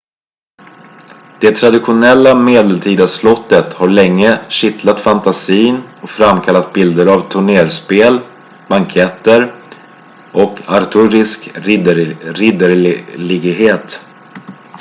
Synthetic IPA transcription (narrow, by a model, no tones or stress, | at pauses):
d̪̥ɛt̪ʰɾad̪ɪɧʊnɛlːameːd̪ɛəlt̪ʰiːd̪aslɔt̪ːət̪haɭɛŋːəɕɪt̪lat̪fant̪asiːnɔkfɾamːkʰalːat̪̚bɪld̪əɾavt̪ʰɵɳeːɾspeːl | baŋkʰɛt̪ːəɾ | ʔɔkʰaɾt̪ʰɵɾɪsk | ɾɪd̪əɾlɪɡɦeːt̪